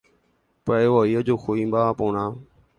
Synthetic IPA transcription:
pəeːʋoːiːəd͡ʒoːxʰoːĩːmbaːpoːɳãː

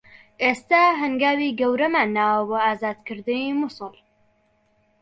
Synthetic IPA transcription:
ʔeːst̪aɦɐŋɡaːwiːɡɐwɾɐmaːnːaːwɐboːaːzaːd̪kɨɾd̪ɨniːmʊsɨl

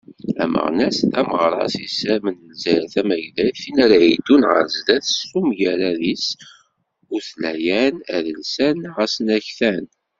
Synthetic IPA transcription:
æ̰mə̰ʁnæsæməʁɾˤɑ̰sisæmənəlzæɾæθæmæʝlæθinæɾʕid̪unʁə̰ɾzd̪æθsumʝæɾæðis | ʊɾθlæjænæ̰ðəlsænʁæsənæçθæn

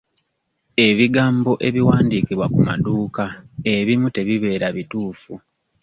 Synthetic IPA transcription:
e̞βiɡaːmbo̞ʔe̞βiwaːndikiβwakuma̰duːkae̞βimute̞βiβe̞ːɾaβituːfu

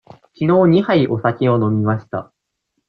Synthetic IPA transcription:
kʲino̞ːɲ̟ihaiʔo̞sakʲio̞no̞mʲimaɕi̥t̪a̰

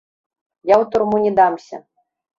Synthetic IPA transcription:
jawt̪ʊrmunʲɛd̪amsʲɐ̰

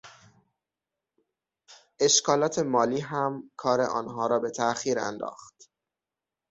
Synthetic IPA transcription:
ʔe̞ʃkʰɒːlɒːt̪ʰe̞mɒːliːɦæmkʰɒːɾe̞̰ʔɒ̰ːnɦɒːɾɒːbe̞t̪ʰæʔxiːɾæ̰nd̪ɒ̰ːxt̪

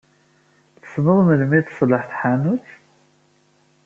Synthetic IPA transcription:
θə̥snəðˤməlmiθsˤləħθħanut͡s

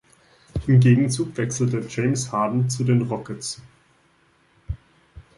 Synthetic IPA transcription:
ʔɪmɡeːɡŋ̩t͡suːkv̥ɛksl̩təd͡ʒeɪmshaːdn̩t͡sudeːnʁɔkəs

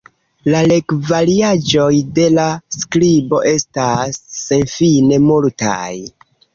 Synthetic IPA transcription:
lale̞kvaliad͡ʒo̞jde̞lasklibo̞ʔe̞stasːe̞nfine̞multa̰j

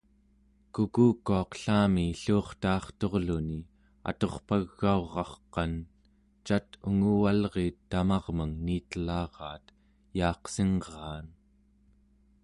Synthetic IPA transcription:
kukuːkːuɑqɬaːmiɬuːχt̪ɑːχt̪o̞ʁluni | a̰t̪o̞χpaɣːaoʁɑχqɑn | t͡ʃat̪uŋuwalʁeːt̪ːamɑʁməŋniːt̪əlɑːʁɑːt̪ | jɑːqseŋʁɑːn

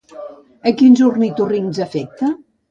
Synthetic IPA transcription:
əkinzurnit̪uriŋzəfɛk̚t̪ə

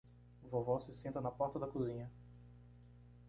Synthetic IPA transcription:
vovɔsɪsẽnt̪ɐnɐpɔɾt̪ɐd̪ɐkuzĩɲɐ

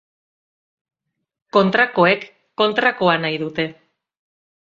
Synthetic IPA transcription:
ko̞nt̪ɾako̞ekː | o̞nt̪ɾakoanajðut̪e̞

